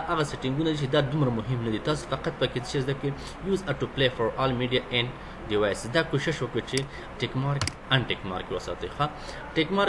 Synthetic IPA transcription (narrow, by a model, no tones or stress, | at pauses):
aɣaseʈɪŋɡunad̪it͡ʃed̪ɑd̪umɾamʊɦɪmnad̪it̪ɑs̬o̥faqat̪̚pəket͡sə̥ʃezd̪akə | juzaʈuplefəɾɑlmiɖijaʔen | ɖiwajsɪzd̪ɑkoʃɪʃwəkət͡ʃe | ʈekmɑɾk | anʈekmɑ̰ɾkewəsɑ̰t̪əjxa | ʈekmɑɾ